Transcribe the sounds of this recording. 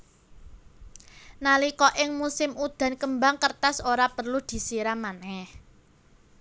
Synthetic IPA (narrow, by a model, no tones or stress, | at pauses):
nalikɔʔɪŋmusɪmud̪̥a̤nkəmbaŋkərt̪asoɾapərlud̪̥i̤siɾamanɛh